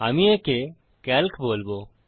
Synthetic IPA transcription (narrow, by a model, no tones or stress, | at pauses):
amieke | kɛlkʰboːlbo